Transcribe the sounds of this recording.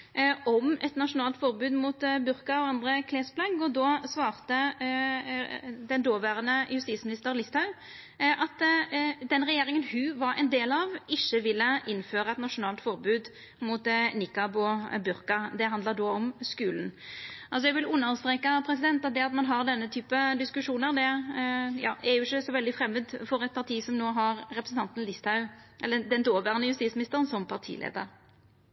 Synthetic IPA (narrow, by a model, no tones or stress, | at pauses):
ʔɔmɛt̪nɑʂʊnɑːlt̪fɔʁbʉːd̪muːt̪bʉɾkɑɔɑnd̪ɾəkʰleːsblɑɡɔd̪ɔsʋɑːʁt̪ə | d̪ɛnd̪oːʋæːʁənəjʉst̪iːt̪smɪnɪst̪əɾlɪst̪hɑʉ | ʔɑt̪d̪ɛnɾɛjeːɾɪŋənhʉːʋɑɾɛnd̪eːlɑʋɪçːəʋɪlːəʔɪnːføːɾəɑɛt̪nɑʂʊnɑːlt̪fɔɾbʉːd̪ | muːt̪nɪkːɑboːbʉɾkɑd̪ɛɦɑnd̪ləɾd̪oːɔmskʉːln̩ʔɑlsɔjɛɡʋɪlʉnːəɾst̪ɾeːkɑpʰɾɛs̬ɪd̪ɛnt̪ɑt̪̚d̪ɛɑt̪mɑnɦɑɾd̪ɛnːət̪ʰyːpəd̪ɪskʉʂuːnəɾd̪ɛ | jɑ̰ːæɾjʊɪçːəsɔʋɛld̪ɪfɾɛmːəd̪fɔɾɛt̪̚pʰɑɾʁt̪ʰiːsɔmnoːɦɑɾɾɛpɾəsn̩t̪ɑnt̪n̩lɪst̪ʰɑʉʔɛ̰lːəd̪ɛnd̪oːʋæːʁənəjʉst̪iːsmɪnɪst̪əɾənsɔmpʰɑʁt̪ʰḭːlḛːd̪ə̰ɾ